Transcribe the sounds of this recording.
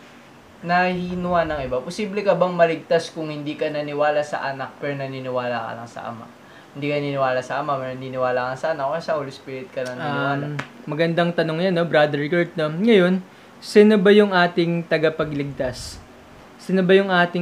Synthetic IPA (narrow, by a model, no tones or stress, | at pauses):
nɐhiːnʊwanɐŋʔɪbaposiːblɛkɐbɐŋmɐlɪɡ̚t̪askʊŋhɪnd̪iːkɐnɐnɪwaːlasɐ̰ʔɐnak̚pɛːɾonɐninɪwaːlakɐ̰lɐ̰ŋsɐ̰ʔɐ̰ma̰ | hɪnd̪ikɐnɐninɪwaːlɐsɐʔɐmapɛɾonɐniːnɪwaːlakɐŋsɐʔɐnak̚ksɐʔolospiːɾɪt̪̚kɐnɐnɪwaːamɐɡɐnd̪aŋt̪ɐnoŋjanːo̞bɾad̪ɛɹkɐɹt̪̚noŋɐjo̞n | sɪnobɐjʊŋʔaːt̪ɪŋt̪ɐɡɐpɐɡlɪɡ̚t̪asː | ɪnobɐjʊŋʔaːt̪ɪ